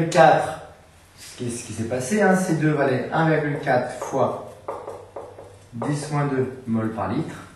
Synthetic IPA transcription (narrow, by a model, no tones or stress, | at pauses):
lkʲat̪χ | sə̥kʲisə̥kʲisɛpaseɛ̃sed̪øvalɛɛ̃viʁɡʲylkʲat̪χfwa | d̪ismwɛ̃d̪ømɔlpaʁlit̪χ